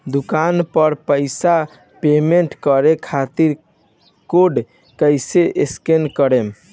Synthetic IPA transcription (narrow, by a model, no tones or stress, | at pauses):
d̪ukanpəɾpəɪsa | pemeɳʈkəɾekʰat̪iɾ | koɖ | kəjseʔeskenkəɾem